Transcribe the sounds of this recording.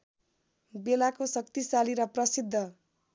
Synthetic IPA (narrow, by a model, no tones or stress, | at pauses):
belakosʌk̚t̪isaliɾʌprʌsid̪ʱːʌ